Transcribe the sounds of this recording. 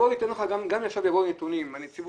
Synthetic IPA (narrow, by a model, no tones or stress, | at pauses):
olit̪enloχaɡamɡamjaχʃavjavonet̪unimanit͡siv